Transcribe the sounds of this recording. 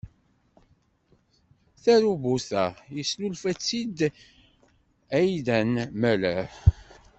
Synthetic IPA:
θæɾubuθəʁjəslulfæt͡sːid̪ | æjðænmælə

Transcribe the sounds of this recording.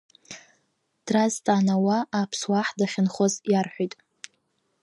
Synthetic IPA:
d̥raztʼanawaːpʰswaħdaχʲɪnχozjarħʷijtʼ

